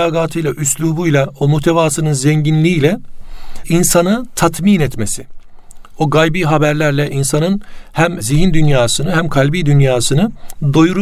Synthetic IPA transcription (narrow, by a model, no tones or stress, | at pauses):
aːɡaːt̪ʰɯjlˠaʔyslʲˠuːbujlˠaomuht̪ʰevaːsɯnɯnzɛɲɟinlʲiːjlʲɛ | insanɯt̪ʰat̪ʰmiːnɛt̪mesi̥ | oɡajbiːɦabæɾlʲæɾlʲɛʔinsanɯnhæmziɦind̪ynjaːsɯnɯɦæmkʰalʲbiːd̪ynjaːsɯnɯd̪o̞juɾ